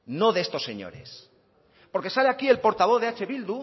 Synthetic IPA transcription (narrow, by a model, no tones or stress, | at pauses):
no̞ðest̪o̞sːe̞̰ɲo̰ɾe̞̰s | po̞ɾke̞saleakie̞lpo̞ɾt̪aβo̞ððeat͡ʃe̞βild̪u